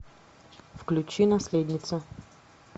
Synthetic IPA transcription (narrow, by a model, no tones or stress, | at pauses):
fklʲut͡ʃinasled̪nit̪sa